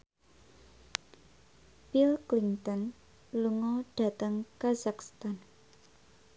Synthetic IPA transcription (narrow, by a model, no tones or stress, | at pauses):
pilklint̪ɔn | luŋɔɖ̥a̤t̪əŋkazakst̪an